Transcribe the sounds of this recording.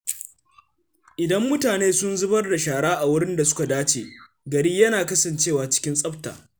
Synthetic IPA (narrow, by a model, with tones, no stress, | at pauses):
ʔɪ˨dɐ˦mːʊ˦taː˨neː˦sʊ˦nzʊ˦bɐ˦rda˨ʃaː˨ɽaː˦ʔa˨wʊ˦ɽɪ˦nda˨sʊ̥˦ka˨daː˦t͡ʃeː˨ | ɡɐ˨ɾi˦jɐ˦naː˨kɐ˦sɐ˨nt͡ʃeː˦˨waː˨t͡ʃɪ̥˦kʲɪ˦nsʼɐ˦ɸta̰ː˨